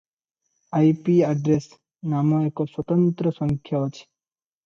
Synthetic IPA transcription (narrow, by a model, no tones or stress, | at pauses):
ajpiaɖɾes | namoekoswɔt̪ɔnt̪ɾɔsɔŋkʰjaɔt͡ʃʰ